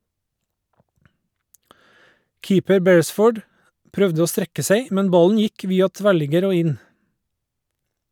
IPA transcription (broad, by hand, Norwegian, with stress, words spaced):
ˈkiːpəɾ ˈbɛɹəˌsfoːɖ ˈpɾœʋdə ˈoː ˈstɾɛkə ˈseɪ ˈmɛn ˈbɑln̩ ˈjɪk ˈʋiːɑ ˈtʋæɭɪɡəɾ ˈoː ˈɪn